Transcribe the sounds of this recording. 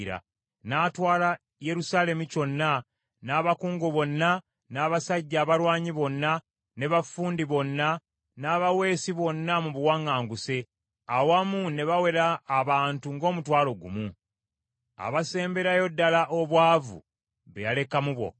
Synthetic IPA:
ɾa̰ | naːtwaːla | je̞ɾusaːle̞muco̞nːa | naːβakuːŋɡoβo̞nːa | naːβasaɟːaːβaɾwaːɲiβo̞nːa | ne̞βafuːndiβo̞nːa | naːβawe̞ːsiβo̞nːamuβuwaŋːaːŋɡuse̞ | awamune̞βawe̞ɾaːβaːntuŋɡo̞ːmutwaːlo̞ɡṵmu | a̰βase̞ːmbe̞ɾajo̞dːalaʔoβwaːvṵ | βe̞̰jale̞kamuβwo̞̰

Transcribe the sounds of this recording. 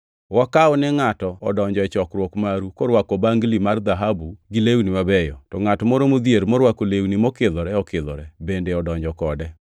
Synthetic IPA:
wakaɔnɛŋatɔɔdɔɲd͡ʒɔɛt͡ʃɔkɾwokmaɾukoɾwakɔbaŋɡlimard̪aɦabuɡɪlewniwabɛjɔtɔŋatɔmɔɾomod̪jeɾmɔɾwakolewnimɔkɪd̪ɔɾɛɔkɪðɔ̰ɾɛbendeɔdɔɲd͡ʒɔkɔdɛ

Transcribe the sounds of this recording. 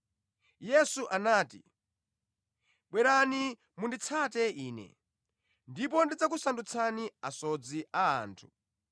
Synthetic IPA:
jɛsuʔanaːtḭ | ɓwɛɾani | mundit͡sʰatɛiːnɛ̰ | ndipɔndid͡zak̬usandut͡sʰaniasɔd͡ziʔaa̰ːntʰu

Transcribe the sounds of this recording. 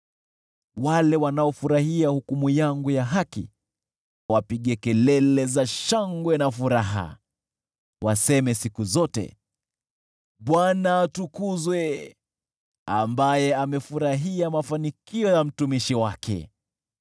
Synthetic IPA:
walɛwanaɔfuɾahiahukumujaŋɡujaɦakḭ | wapiɠɛkɛlɛlɛzaʃaŋɡwɛnafuɾaɦa̰ | wasɛmɛsikuzɔtɛ̰ | ɓwanaːtukuzwɛ | a̰mbajɛamɛfuɾaɦiamafanikiɔjam̩tumiʃiwakʰɛ̰

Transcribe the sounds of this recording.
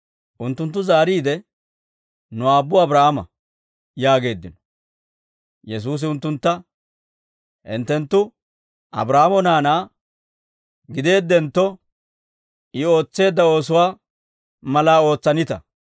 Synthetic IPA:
ʔʊnt̪ːʊnt̪̬ːʊzaːɾiːd̪ɛ | nʊaːbːʊɐbɾaːhamɐ̰ | jaːɡe̞ːd̪ːɪnɔ̥ | jɛs̬uːs̬ɪʊnt̪ːʊnt̪ːɐ | ʔɪ̰nt̪ːɛnt̪ːʊ | ʔɐ̰bɾaːamɔnaːnaː | ɡɪd̪e̞ːd̪ːɛnt̪ːɔ | ɪo̞ːt͡sːe̞ːd̪ːɐo̞ːs̬ʊwaː | mɐlaːo̞ːt͡sːɐnɪt̪ɐ̰

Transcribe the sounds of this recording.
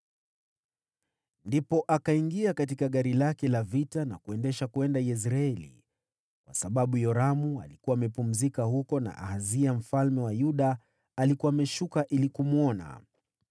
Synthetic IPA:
ndipɔʔakaiŋɡiakatikaɠaɾilakɛlavitana̰kuɛndɛʃakuɛndajɛs̬ɾaɛlḭ | kwasaɓaɓujɔɾamua̰likuwaːmɛpum̩zikahukɔna̰ʔa̰haziam̩falmɛwajuɗaː | likuaːmɛʃukaʔilikumuɔna̰

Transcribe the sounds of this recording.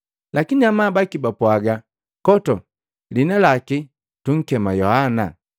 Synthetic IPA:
lakiniamaːbakibapwaɡa | kɔtɔ | linalaki | tuŋ̩kɛmajɔhana

